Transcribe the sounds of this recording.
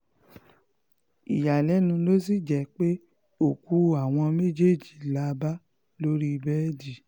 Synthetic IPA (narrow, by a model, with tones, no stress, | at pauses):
ḭ˨ja˨lɛ˨˦nũ˧lo˦s̬i˦˨d͡ʒɛ˨˦k͡pe˦ | o˦˨ku˨˦a˨w̃ɔ̃˧me˦d͡ʒe˦˨d͡ʒi˨la˨˧ba˦ | lo˦ɾi˦˧bɛ˦di˦˨